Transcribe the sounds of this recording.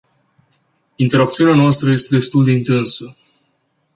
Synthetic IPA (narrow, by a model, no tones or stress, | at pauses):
int̪e̞ɾap̚t̪siunanoast̪ɾəje̞st̪e̞d̪e̞st̪uld̪e̞int̪ɨnsə